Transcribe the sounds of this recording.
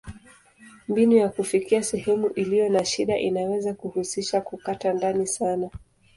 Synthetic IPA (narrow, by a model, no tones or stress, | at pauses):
mbinujakufikiasɛhɛmuʔilijɔnaʃiɗaʔinawɛzakuhusiʃakukatandanisana